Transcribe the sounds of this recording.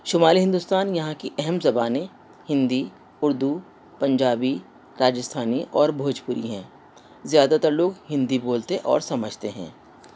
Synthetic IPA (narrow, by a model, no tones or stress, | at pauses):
ʃʊmaːliɦɪ̃nd̪ust̪aːnjɐɦãkiʔɛɦɛmzɐbaːnẽ | hɪ̃nd̪i | ʊɾd̪u | pɐ̃ɲd͡ʒaːbi | ɾaːd͡ʒəst̪ʰaːniʔɔːɾbʱoːd͡ʒpʊɾḭɦɛ̃ː | zjaːd̪at̪ɐɾloːɡɦɪ̃nd̪iboːlt̪eʔɔ̰ːɾsɐməd͡ʒʱt̪eɦɛ̰̃ː